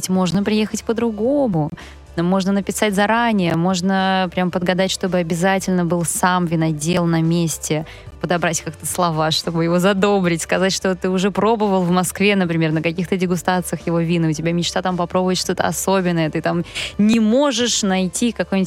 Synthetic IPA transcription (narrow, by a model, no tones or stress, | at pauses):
tʲmo̞ʐnəpɾʲɪjexətʲpəd̪ɾʊɡo̞mʊ | mo̞ʐnənəpʲɪsatʲzɐɾanʲɪjəmo̞ʐnəpɾʲampəd̪ɡɐd̪atʲʂt̪o̞bɨɐbʲɪzatʲɪlʲnəbɨlˠsamvʲɪnɐdʲelˠnɐmʲesʲtʲɪ | pəd̪ɐbɾatʲkakt̪əslˠɐvaʂt̪o̞bɨjɪvo̞zɐd̪o̞bɾʲɪtʲskɐzatʲʂt̪ot̪ɨʊʐɛpɾo̞bɨvəlˠvmɐskvʲe̞nəpɾʲɪmʲe̞rnəkɐkʲixt̪ədʲɪɡʊst̪at̪sɨjəxjɪvo̞vʲinɨʊtʲɪbʲamʲɪt͡ɕt̪at̪ampɐpɾo̞bʊvjɪt̪ʂt̪o̞t̪ə̰ɐ̰sobʲɪnːəjət̪ɨt̪amnʲɪmo̞ʐɨʂnɐjtʲikɐkojnʲɪtʲ